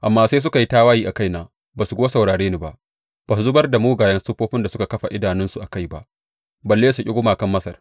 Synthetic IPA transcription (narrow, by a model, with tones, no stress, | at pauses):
ʔa˨mːaː˦seː˦s̬ʊ˦ka˨ji˦taː˦waː˦jiː˦ʔa˨ka˦jnaː˨ | baː˨su˨ɡʷoː˦sa˨wɽaː˨ɽeː˦ni˦ba˦ʔ | b̥aː˨su˨zʊ˦bɐ˦rda˨moː˦ɡaː˨jɐ˦nsʊ˦ɸoː˦ɸɪ˦nda˨sʊ˦ka˨kɐ˦ɸa˨ʔɪ˦daː˨nɪ˦nsu˨ʔa˨ka˦jba˦ʔ | bɐ˨lːeː˦su˨kʲʼɪ˦ɡʷʊ˦maː˨kɐ˦mːɐ˦sɐ˨r